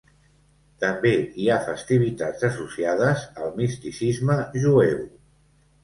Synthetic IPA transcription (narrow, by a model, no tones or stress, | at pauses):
t̪əmbeiafəst̪iβ̞it̪ad͡zəsusiað̞əzəlˠmist̪isizməʒuew